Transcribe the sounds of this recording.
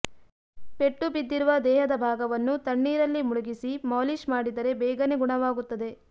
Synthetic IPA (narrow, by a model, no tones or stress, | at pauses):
pe̞ʈːubid̪ːiɾuʋɐd̪ɛːɦɐd̪ɐbʱaːɡɐʋɐnːut̪ɐɳːiːɾɐlːimuɭuɡisimaːliʃmaːɽid̪ɐɾe̞bɛːɡɐneɡuɳɐʋaːɡut̪ːɐd̪e̞